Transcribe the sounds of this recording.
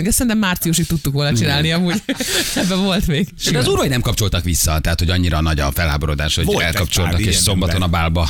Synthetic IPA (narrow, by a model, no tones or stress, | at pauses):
mɛɡɛsɛɾinɛmːaːrt̪sijuʃit̪t̪ut̪ːukʋoːlnɒt͡ʃinaːlniɒmuːɟɛbːɛvo̞lt̪meːɡʃiɒzuɾojnɛmkɒp̚t͡ʃo̞lt̪ɒkʋisːɒt̪ɛɦat̪ho̞ɟɒɲːiɾɒnɒɟɒfɛlha̰ːboɾod̪a̰ːʃho̞ɟɛlkɒp̚t͡ʃo̞lɒkeːʃso̞mbɒtt̪o̞nɒbaːlbɒ